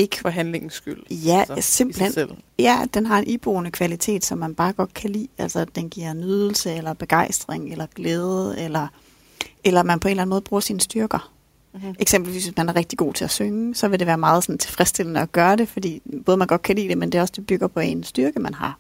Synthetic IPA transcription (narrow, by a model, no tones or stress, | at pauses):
eɡ̥ə̥fɒɦænleŋ̩sɡ̥yl̰jæse̝mb̥l̩henljæd̥enɦɑ̈e̝nʔib̥onəkʰʋælit͡sʰe̝̰ːd̥sɒ̽mːænb̥ɑ̈ːɡ̥ɒ̽d̥̚kʰælḭːæl̰sɐd̥enɡ̥iɐ̰nyð̞ˠl̩səelɐb̥e̝ɡ̥ɑ̈ɪ̰sd̥ʁeŋelɐɡ̥leːð̞ˠəelɐ | ʔelɐmænpʰɒe̝ːnlæn̩moːð̩ˠbʁuːɐsiːnsd̥yɐɡ̥ɐ | ʔeɡ̥sem̰b̥l̩ʋḭːsʋesmænæɐʁɛɡ̥̚d̥iɡ̥o̝̰ːt͡sʰe̝læsøŋəsɒ̽ʋe̝de̝ʋæːɐmɑ̈ːð̞̩ˠsɒ̽nt͡sʰe̝lfʁɛsd̥e̝l̰ənəɒɡ̥ɶːɐde̝fɒd̥ḭːb̥ɔ̽ːð̞̩ˠmænɡ̥ɒ̽d̥̚kʰælḭːd̥emend̥e̝ɒ̽sd̥e̝b̥yɡ̥ɐpʰɒ̽ensd̥yɐɡ̥əmænɦɑ̈